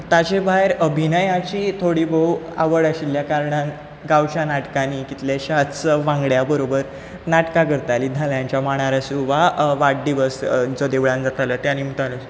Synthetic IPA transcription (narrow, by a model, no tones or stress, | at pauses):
t̪at͡ɕebaɦeɾəbʱinəjãt͡ɕiːt̪ʰoɽiːbəwa̰ʋəɽaɕiljakaɾɳãn | ɡawt͡ɕanaʈkanikit̪ljaɕat͡səʋãŋɡɭjabəɾobəɾ | naʈkakəɾt̪aliːd̪ʱaljãɲt͡ɕjamaɽ̃aɾasũʋaʋaʈ̚ɖiːbəsd͡zɔd̪eʋɭãnd͡zət̪alət̪janimut̪alasu